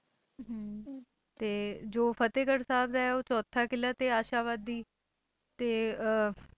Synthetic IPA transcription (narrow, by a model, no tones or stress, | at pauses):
t̪eːd͡ʒoːpʰət̪eːkəɾsaːbd̪aːɛoːt͡ʃɔːt̪ʰaːkɪlːaːt̪eːaːʃaːʋaːd̪iː | t̪eː